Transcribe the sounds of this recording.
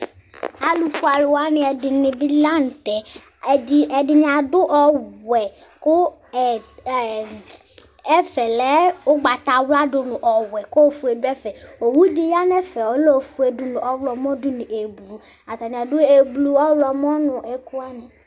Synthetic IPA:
a˦lu˨fu˦a˨lʊ˨wa˦nɪ̃˨˦ɛ˨dɪ˨nɪ̃˨bi˦la˦n̩˨t̪ɛ˨ | i˦ɛ˨dɪ˨ñ˨a˨dʊ˦ʔɔ˦wɛ˨ | kʊ˦ | ɛ˨ | ɛ˦fɛ˨lɛ˦wo˦ɡ͡ba˨t̪a˨wla˦dʊ˨nʊ̃˨ʔɔ˨wɛ˨ko˦o˦fu˨˦e˨dʊ˦ɛ˦fɛ˨o˨wu˦di˨ja˦nɛ˦fɛ˨wo˦lo˦˨fu˦e˨dʊ˨˦nʊ̃˨ʔɔ˦wlɔ˨mɔ̃˦dʊ˦nĩ˨ʔe˨blu˨ | a˨t̪a˨nĩ˨a˨dʊ˦e˨blu˦ɔ˦wlɔ˨m˦ɔ̃˦nʊ̃˨ʔɛ˨ku˦a˦nɛ̃˨

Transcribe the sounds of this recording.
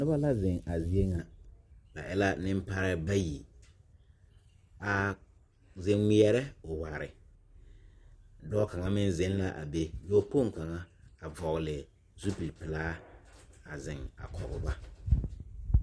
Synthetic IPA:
nʊ˦ba˦la˦zɪ˨ŋa˨zi˨e˦ŋa˨b̥a̰˨ʔɛ˦la˦nɪ˦m˦pa˦ɾɛ˦ba˦ji˨ | a˨ | zɪ˦ŋi˦ɛ˦ɾɛ˦ʊ˨wa˨ɾɪ̰˨ | dɔː˦ka˨ŋa˦mɪ˦nzɪ˦nla˦ʔa̰˨be˦joː˦po˦˨ŋ˨ka˨ŋa˦a˨vɔ˨ɣlɪ˨ | zu˦pi˨pɪ˨laː˦ | a˨zɪ˨ŋa̰˨kʰɔ˨ɣʊ˨ba˦

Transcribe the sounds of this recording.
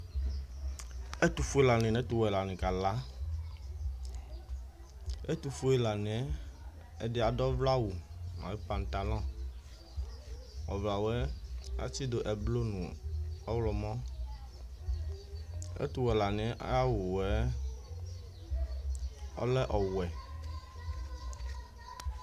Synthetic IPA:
ɛ˦t̪u˨fu˦e˦la˨nĩ˨nɛ̃˦t̪u˦˨wɛ˨la˨nĩ˨ka˨la˦ | e˦t̪u˨fu˦e˦la˨nĩ˨ɛ˦ | ɛ˦dɪ˦a˨dɔ˦vla˦wu˨mã̰˨wi˦pa˨n˨t̪a˨lɔ̃˦ | wɔ˨vla˨wɛ˦a̰˦t͡ɕi˦do˨ʔɛ˨blo˦nũ˨ɔ˦wlɔ˨mɔ̃˦ | ḛ˦t̪u˨wɛ˨la˨nɪ̃˨ɛ˦ʔa̰˦ja˦wu˨wɛ˦ | ɔ̰˦lɛ˦ʔɔ˨wɛ˨

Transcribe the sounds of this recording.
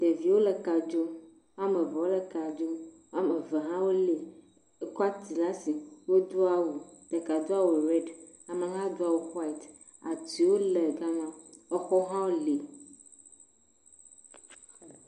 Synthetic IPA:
d̪̥e˨vi˨wo˦le˨ka˨d͡ʒo˦ | a˦mẽ˨vɛ˨wo˦le˨ka˨d͡ʒo˦ | a˦me˨ve˨ɦã˦wo˦le˨˦ | kɔ˦a˦t̪i˨la˦si˨wo˦d̪o˦a˦wu˨d̪̥e˨ka˨d̪o˦a˦˨wo˨ɾɛ˦ɖ | a˨mẽ˨ɦã˦d̪o˦a˨wo˨xa˦i˨t̪ | a̰˨ti˨wo˦le˨ɡa˦mã˦ɔ˦xɔ˦ɦã˦wo˦le˨

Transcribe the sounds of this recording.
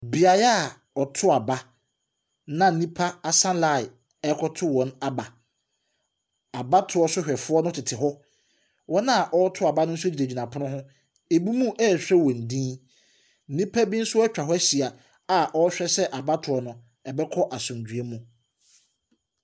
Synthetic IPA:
bi˨a˨ja˦˨ | ɔ˨tʰʊ˦a˨ba˦ | nã˨nĩ˦pʰa˦a˨sã˦nla˨ɪ˨ | ɛ˦kʰɔ˦tʰʊ˦wɔ̃˨na˦ba˨ | a˨ba˦tʰʊ˨ɔ˦sʊ˦ɕᶣɛ˨fʊ˦ɔ˦nʊ̃˦tʰɪ˨tʰɪ˨ɦɔ˦ | wɔ̃˦nã˦˨ʔɔ˦tʰʊ˦a˨ba˦nʊ̃˦n̩˦sʊ˦d͡ʑi˨ɾe˨d͡ʑi˨nã˨pʰʊ˦ʊ̃˦ɦʊ̃˦ | e˨bu˦mũ˦ʔɛ˦˨ɕᶣɾɛ˦wɔ̃˨n̩˨dĩː˦ | nĩ˦pʰa˦bĩ˦n̩˦sʊ˦ɛ˦t͡ɕᶣa˨ɦɔ˦æ˦ɕi˨a˨ | a˨ʔɔ˦ɕᶣɛ˦sɛ˦ʔa˨ba˦tʰʊ˨ɔ˨nʊ̃˨ | ɛ˨bɛ˦kʰɔ˦ʔa˨sʊ̃˨md͡ʑᶣɥe˦mũ˦

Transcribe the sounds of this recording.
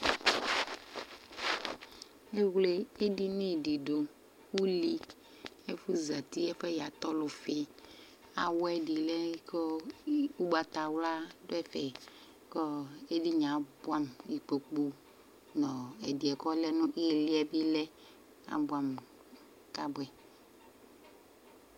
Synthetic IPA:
e˦wle˦e˦di˦nĩ˦˨di˨ɖo˨ | wu˦li˦ | e˦fu˦za˨t̪i˦ɛ˦ɸɛ˦ja˨t̪ɔ˦lʊ˨fi˦ | a̰˨wɔ˦ɛ˦di˨lɛ˦kɔ˦u˦ɡ͡ba˨t̪a˨wla˦do˦ɛ˦fɛ˨ | kɔ˦e˦di˦ɲã˨bʊ˦a˦m˨i˨k͡pe˨k͡pu˦ | nɔ̃˨ɛ˨di˨ɛ˨kɔ˦lɛ˦nʊ̃˦ʔi˦e˨li˦ɛ˦bi˦lɛ˦ | a̰˨bʊ˨˦a˨m | ka˦bwɛ˨

